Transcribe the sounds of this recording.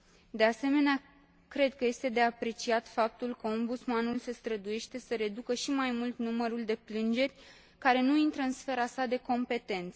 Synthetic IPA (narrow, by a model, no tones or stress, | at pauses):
d̪e̞ase̞me̞nea | kɾe̞d̪̚kəje̞st̪e̞d̪e̞apɾe̞t͡ʃiat̪fap̚t̪ulkəo̞mbut̪smanulse̞st̪ɾəd̪uje̞ʃt̪e̞səɾe̞d̪ukəʃimajmult̪numəɾuld̪e̞plɨnd͡ʒe̞rʲ | kaɾe̞nuint̪ɾəɨnsfe̞ɾasad̪e̞ko̞mpe̞t̪e̞nt̪sə